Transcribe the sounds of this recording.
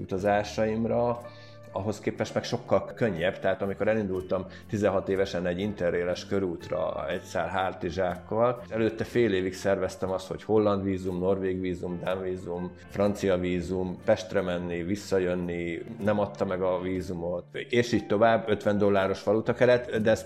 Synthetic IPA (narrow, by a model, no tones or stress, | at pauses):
ṵt̪ɒzaːʃɒimrɒ | ɒɦo̞skeːpɛʃt̪mɛkʃo̞kːɒlkø̞ɲːɛbt̪ɛɦaːt̪ɒmiko̞ɾɛlind̪ult̪ɒmt̪izɛ̃ɦɒt̪eːvɛʃɛnɛɟːint̪ɛreːlɛʃkøɾuːt̪rɒ̰ɛcsa̰ːlɦaːrt̪iʒaːkːɒlɛløːt̪ːɛfeːleːviksɛrvɛst̪ɛmɒst̪ho̞̰cho̞lːɒnd̪ʋiːzumno̞rʋeːɡʋiːzumd̪aɱviːzum | frɒnt̪sijɒviːzumpɛʃt̪rɛmɛnːivisːɒjønːinɛmɒt̪ːɒmɛɡɒviːzumo̞t̪eːʃiːɟt̪o̞vaːbːøt̪ʋɛnd̪o̞lːaːɾo̞ʃʋɒlut̪ɒkɛɾɛt̪ːd̪ɛɛs